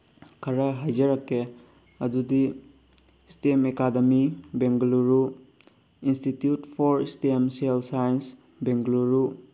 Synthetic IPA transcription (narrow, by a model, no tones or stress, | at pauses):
kʰɐɾɐɦajd͡ʒɐɾɐkːe | ɐdudi | stemekademibeŋɡluɾu | institjutpʰɔɾstemselsajens | beŋɡluɾu